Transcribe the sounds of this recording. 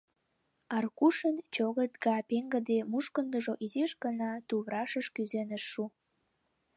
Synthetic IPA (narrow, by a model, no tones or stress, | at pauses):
ɑrkuʃənt͡ɕoɣət̪̚ɡɑpeŋɡə̆d̪emuʃkənd̪əʒoʔizeʃɡənɑt̪uβɾɑʃəʃkyzenə̆ʃːu